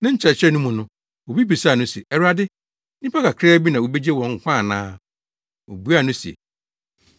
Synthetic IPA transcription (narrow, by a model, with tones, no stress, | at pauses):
nã˦ɲ̩˦t͡ɕʰɛ˨t͡ɕʰɛ˦nʊ̃˦mũ˨nʊ̃˦ | wo˨bi˦pi˨sa˦˨nʊ̃˦si˨e˨ɛ˨ɾa˦dɪ˦ | nɪ̃˦pʰa˦ka˨kʰɾɛː˦bi˦nã˨wo˨be˦d͡ʑe˦wɔ̃˨ŋ̩˨˦kʷʰã˦˨nãː˦ | wo̰˨bu˦a˦˨nʊ̃˦si˨ḛ˨